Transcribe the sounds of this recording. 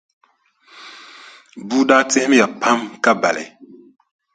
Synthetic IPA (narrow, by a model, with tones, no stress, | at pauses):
buː˦daː˦te˦m˦ja˨pʰa˦mka˦ba̰˨lɛ̰˨